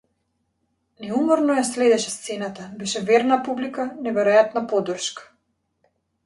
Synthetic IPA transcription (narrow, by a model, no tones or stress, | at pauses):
nɛumɔɾnɔjaslɛd̪ɛʃɛst̪sɛnat̪abɛʃɛvɛɾnapublikanɛvɛɾɔjat̪napɔd̪r̩ʃkḁ